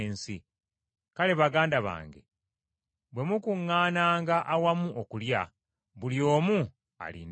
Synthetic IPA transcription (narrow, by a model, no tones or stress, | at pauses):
nsi | kale̞βaɡaːndaβa̰ːŋɡe̞̰ | bwe̞mukuŋːaːnaːŋɡaʔawamuʔokulja | βuljo̞ːmu | a̰lḭn